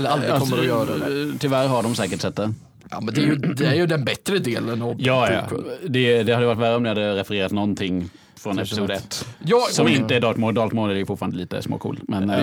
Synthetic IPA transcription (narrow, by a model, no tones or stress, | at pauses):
ɛləalɔsmːəɾjœːɾat̪ʰɪvæɾɦaɖɔmsɛːkəʈsɛt̪ːə | mɛnd̪ɛæɾjd̪ɛæɾjɵd̪ɛnbɛt̪ɾəd̪eːlənɑjɑːɑ̰d̪ɛd̪ɛhad̪əjəaʈ̪̬ːvæɾːəɔmd̪ɪhad̪ːəɾɛfɛɾeːɾat̪nɔnt̪ʰɪŋː | fɾɔnɛpɪsuːd̪əɛt̪ːjɑːsɔmɪnt̪əæɖ̪ɑːt̪mɔːɾd̪ɑːlt̪moːldɛæɾjʏfʊʈfːɾand̪əliːt̪ə̰smo̰ːkʰṵːlmɛn